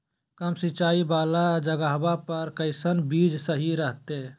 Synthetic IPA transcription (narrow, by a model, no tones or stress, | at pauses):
kəmsit͡ʃaːibaːlad͡ʒəɡaɦbapəɾkəɪsənbiːd͡ʒsəɦiɾəɦt̪e